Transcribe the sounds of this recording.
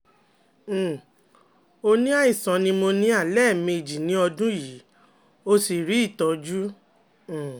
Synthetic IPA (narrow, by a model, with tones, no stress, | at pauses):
o˧nĩ˦a˦i˦˨sã˨˦nĩ˧˦mo˧nĩ˦a˦˨lɛ˦˨me˧˨d͡ʒi˨nĩ˦ɔ˧dũ˦ji˨˦ | o˧si˨ɾi˨˦i˦˨tɔ˨˦d͡ʒu˦˨